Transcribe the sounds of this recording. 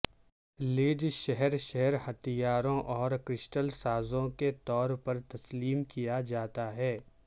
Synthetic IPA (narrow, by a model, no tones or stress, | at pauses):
lɪːd͡ʒʃɛɦɛɾʃɛɦɛɾhɐt̪ijaːɾõʔɔːɾkɾɪʃʈəlsaːzõket̪ɔːɾpɐɾt̪ɐsliːmkijad͡ʒaːt̪aɦɛː